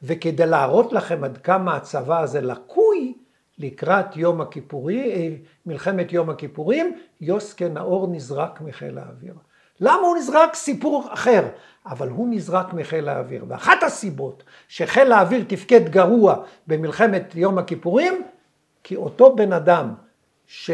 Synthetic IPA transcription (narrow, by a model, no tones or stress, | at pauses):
ve̞ked̪ejlaːʁo̞tlaχe̞mad̪kamaːt͡savaːzelakʰuj | likʁatjomakipui | milχe̞me̞t̪jo̞makipuʁimjo̞skena̰ʔo̞ʁnizʁakmiχḛla̰ːvḭʁ | lamahunizʁaksipuʁaχe̞ʁ | avalɦunizʁakmiχelaːvḭʁvea̰χathasibo̞t | ʃeχelaːviʁt̪ifke̞d̪ɡaʁuabemilχe̞me̞t̪jo̞makipuʁim | kʰio̞to̞be̞nadam | ʃe